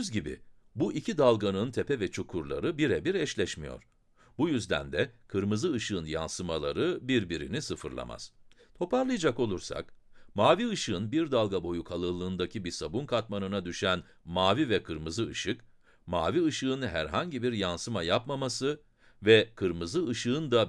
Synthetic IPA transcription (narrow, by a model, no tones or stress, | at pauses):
zɟibḭ | buʔicʰid̪alˠɡanɯnt̪ʰɛpʰɛvɛt͡ʃʰukʰuɾlˠa̰ɾɯbiɾɛbiɾɛʃlʲɛʃmijo̞̰ɾ̥ | bujyzd̪æ̰nd̪ɛkʰɯɾmɯzɯɯʃɯɯnja̰nsɯmalˠaɾɯbiɾbiɾḭnisɯfɯ̰ɾlˠa̰ma̰z̥t̪ʰo̞paɾlˠɯjad͡ʒako̞lˠuɾsa̰kmaːviɯʃɯɯnbiɾd̪alˠɡabo̞jukʰalˠɯlˠɯːnd̪acʰibisabunkʰat̪manɯnad̪yʃæn | maːvivɛkʰɯɾmɯzɯɯʃɯk | ma̰ːviɯʃɯɯnɦæɾɦaɲɟibiɾjansɯmajapmamasɯ | vɛkʰɯɾmɯzɯɯʃɯɯnd̪a